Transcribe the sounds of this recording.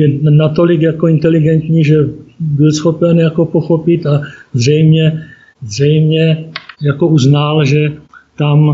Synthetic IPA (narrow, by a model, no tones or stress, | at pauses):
jɛnat̪o̞lɪkjakoɪnt̪ɛlɪɡɛnt̪ɲiːʒɛbɪlsxo̞pɛnjako̞poxo̞pɪt̪azrɛjmɲɛ | zrɛjmɲɛjako̞uznalʒɛt̪am